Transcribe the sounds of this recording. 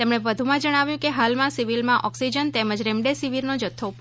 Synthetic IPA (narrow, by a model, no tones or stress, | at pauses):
t̪emɳ̃eʋəd̪ʱumãd͡ʒəɽ̃aʋjũkeɦalmãsiʋilmãʔɔksid͡ʒənt̪eməd͡ʒɾẽmɖesiʋiɾnod͡ʒət̪ʰːop